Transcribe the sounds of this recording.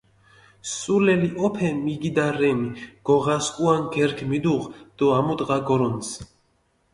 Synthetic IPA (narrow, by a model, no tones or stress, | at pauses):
sulɛliʔɔpʰɛmiɡid̪aɾɛmiɡ̥ɔʁaskʼuanɡɛɾkʰmid̪uʁd̪̥ɔamut̪ʼʁaɡɔɾɔns